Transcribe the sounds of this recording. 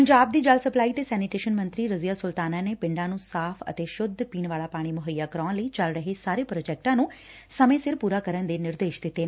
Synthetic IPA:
pəɲd͡ʒaːb̚d̪iːd͡ʒalsəplaːiːt̪eːsɛːnɪʈeːʃənmə̃nt̪ɾiːɾəzijaːsʊlt̪aːnaːneːpɪ̃ɳɖãːnũːsaːfʰə̰t̪eːʃʊd̪ʱpiːnʋaːlaːpaːɽ̃iːmʊɦəjːaːkəɾɔ̃ːnləiːt͡ʃəlɾəɦesaːɾeːpɾoːd͡ʒɛːk̚ʈãːnũː | səmẽːsɪɾpuːɾaːkəɾənd̪eːnɪɾd̪eːʃd̪ɪt̪ːeː

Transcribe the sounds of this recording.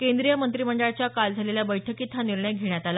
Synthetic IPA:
kend̪ɾijəmənt̪ɾiməɳɖəɭt͡ɕjakald͡zʱaleljabəjʈʰəkit̪ʰːaniɾɳəjɡʱeɳjat̪ala

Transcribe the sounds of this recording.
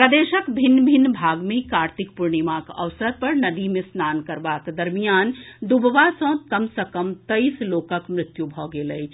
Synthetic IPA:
pɾɐd̪eːʃəkbʱɪnːbʱɪnːbʱaːɡmẽkaːɾt̪ikpuɾɳimakə̰ʋsəɾpɐɾnɐd̪imesnaːnkɐɾbakd̪ɐɾmijaːnd̪ubʱəʋasɐ̃kɐmsəkəmt̪əisloːkəkmɾɪt̪jubʱɔɡeləi

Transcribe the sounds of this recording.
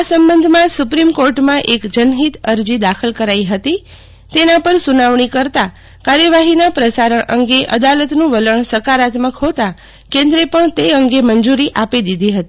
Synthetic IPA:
asəmbənd̪ʱmãsupɾimkoɾʈmãʔekd͡ʒənɦit̪əɾd͡ʒid̪akʰəlkəɾaiɦət̪i | t̪enãpəɾsunaʋɳikəɾt̪a | kaɾjəʋaɦinapɾəsaɾəɳʔəŋɡeʔəd̪alət̪nũʋələɳsəkaɾat̪məkɦot̪a | kẽnd̪ɾepəɳt̪eəŋɡemənd͡ʒuɾiʔapid̪id̪ʱiɦət̪i

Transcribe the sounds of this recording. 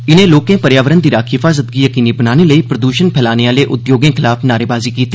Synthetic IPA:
ɪnẽːloːkẽːpəɾjaːʋəɾənd̪iːɾaːkʰɦɪfaːzət̪̚ɡiːjəkiːniːbənaːneːləiːpɾəd̪uːʃənpʰɛːlaːneaːleːʔʊt̪joːɡẽːkʰɪlaːfnaːɾeːbaːziːkiːt̪iː

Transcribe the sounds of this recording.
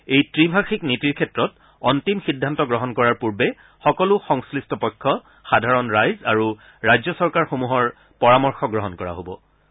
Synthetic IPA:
ejtɹibʱaxiknitiɹkʰɛtɹɔt | ɔntimxidʱːantɔɡɹɔɦɔnkɔɹaɹpuɹbɛ | xɔkɔlʊxɔŋslistʰɔpɔjkʰːɔ | xadʱaɹɔnɹajzaɹu | ɹajzɔsɔɹkaɹxomuɦɔɹ | pɔɹamɔɹxɔɡɹɔɦɔnkɔɹa̰ɦobɔ̰

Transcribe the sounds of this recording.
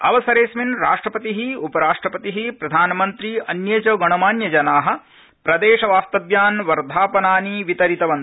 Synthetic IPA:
ɐ̰ʋɐsɐɾeːsminɾaːʂʈɾɐpɐt̪iɦiupɐɾaːʂʈɾɐpɐt̪iɦipɾɐd̪ʱaːnɐmɐnt̪ɾiɐnjɐt͡ʃɐɡɐɳ̃ɐmaːnjɐd͡ʒɐnaːɦɐ̆ | pɾɐd̪eːʃɐʋaːst̪ɐʋjaːnʋɐɾd̪ʱaːpɐnaːniʋit̪ɐɾit̪ɐʋɐn

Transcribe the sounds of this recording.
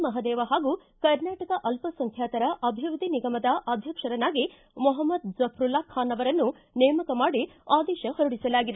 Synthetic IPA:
mɐɦɐd̪ɛːʋɐɦaːɡu | kɐɾnaːʈɐkɐʔɐlpɐsɐŋkʰjaːt̪ɐɾɐʔɐbʱiʋɾud̪ʱiniɡɐmɐd̪ɐʔaːd̪ʱjɐkʂɐɾɐnaːɡi | mɔɦɐmːɐd̪̚d͡ʒɐpʰɾulaːkʰːaːnɐʋɐɾɐnːu | nɛːmɐkɐmaːɽiaːd̪ɛːʃɐhɐɾuɽisɐlaːɡid̪e

